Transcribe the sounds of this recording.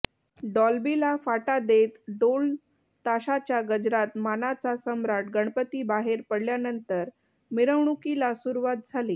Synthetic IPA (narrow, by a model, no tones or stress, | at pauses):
ɖɔlbilafaʈad̪et̪ɖol | t̪aɕat͡ɕjaɡəd͡ʑɾat̪manat͡sasəmɾaʈɡəɳ̃pət̪iːbaɦeɾpəɽljanənt̪əɾ | miɾəʋɳukilasuɾuʋat̪̚d͡zʱaliː